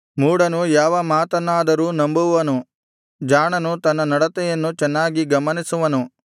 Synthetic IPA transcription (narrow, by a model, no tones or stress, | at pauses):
muːɽɐnujaːʋɐmaːt̪ɐnːaːd̪ɐɾuːnɐmbuʋɐnu | d͡ʒaːɳɐnut̪ɐnːɐnɐɽɐt̪ɛjɐnːut͡ʃɛnːaːɡiɡɐmɐnisuʋɐnu